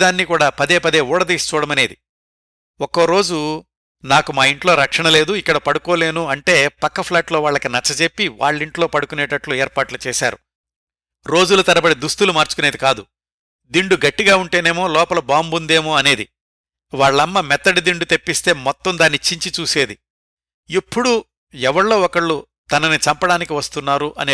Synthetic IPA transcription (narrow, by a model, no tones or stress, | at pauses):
d̪aːnːikuːɽaːpɐd̪e̞ːpɐd̪e̞ːuːɽɐd̪iːst͡ʃuːɽɐmɐne̞ːd̪ḭ | ɔkːoːɾo̞ːd͡ʒu | naːkumaːiɳʈlo̞ːɾɐkʂɐɳɐle̞ːd̪uikːɐɽɐpɐɽuko̞ːle̞ːnuɐɳʈe̞ːpɐkːɐpʰlaːʈlo̞ːʋaːɭːɐkinɐt͡ʃːɐt͡ʃe̞pːiʋa̰ːɭːiɳʈloːpɐɽukunɛːʈɐʈluɛːɾpaːʈlut͡ʃeːʃa̰ːɾu | ɾo̞ːd͡ʒulɐt̪ɐɾɐbɐɽid̪ust̪ulumaːɾt͡ʃu̥kune̞ːd̪ikaːd̪u | d̪iɳɖuɡɐʈːiɡaːuɳʈe̞ːne̞ːmo̞ːlɔːpɐlɐbaːmbund̪e̞ːmoːɐne̞ːd̪i | ʋaːɭːɐmːɐmɛt̪ːɐɽid̪iɳɖut̪e̞pːist̪e̞ːmɔt̪ːɐmd̪aːnːit͡ʃːiɲt͡ʃit͡ʃuːse̞ːd̪i | ipːuɽu | ɛʋɐɽlo̞ːɔkɐɭːu | t̪ɐnɐnit͡ʃɐmpɐɽaːnikiʋɐst̪unːaːɾuʔɐneː